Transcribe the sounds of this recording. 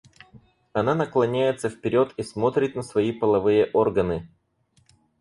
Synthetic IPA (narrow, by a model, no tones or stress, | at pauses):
ɐnanəklˠɐnʲæjɪt̪səfpʲɪɾʲo̞t̪ismo̞t̪ɾʲɪt̪nəsvɐipəlˠɐvɨjəʔo̞rɡənɨ